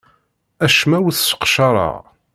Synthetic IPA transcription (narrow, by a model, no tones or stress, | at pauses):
æʃmæwəθsə̥qʃɑɾˤɑ̰ʁ